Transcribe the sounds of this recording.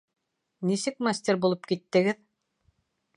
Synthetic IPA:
nisɘk̚masʲt̪ʲeɾbulˠɤpkit̪ːɘ̆ɡɘð

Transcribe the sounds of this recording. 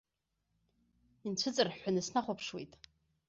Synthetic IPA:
int͡ɕʷʰɨt͡sʼɨrħʷanɨsnaχʷapʰʂwejtʼ

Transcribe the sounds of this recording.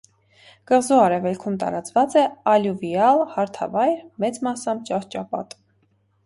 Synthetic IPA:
kəʁzuɑɾɛvɛlkʰumt̪ɑ̰ɾɑt͡svɑt͡sɛɑljuviɑlhɑɾt̪ʰɑ̰vɑjɾmɛt͡smɑsɑmt͡ʃɑɾt͡ʃɑpɑ̰t̪

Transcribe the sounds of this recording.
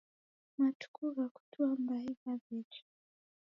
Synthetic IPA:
matu̥kʰuɣaku̥tʰuambaikavit͡ʃi̥

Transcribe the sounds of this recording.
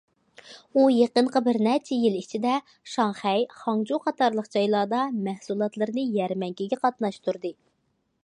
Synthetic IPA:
ujeqəɴqəbɪɾnɛt͡ʃʰɛjilit͡ʃʰid̪ɛ | ʃɑŋχɛjχɑŋd͡ʒuqʰɑt̪ʰɑɾlˠəqd͡ʒɑjlˠɑːd̪ɑmæhsulˠɑt̪lˠɨɾɨnɨjɛɾmɛŋkʲʰiɡʲɛqʰɑt̪nɑʃt̪ʰuɾd̪ɨ

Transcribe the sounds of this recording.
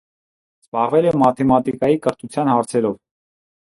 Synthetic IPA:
z̥bɑʁvɛlɛmɑt̪ʰɛmɑt̪ikɑjikəɾt̪ʰut͡sʰjɑnhɑɾt͡sʰɛɾɔv

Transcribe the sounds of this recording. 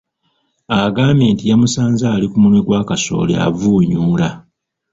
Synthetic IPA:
aɡaːme̞ntijamusaːnzaːlikumunweɡwaːkaso̞̰ːlḛa̰vuːɲuːla

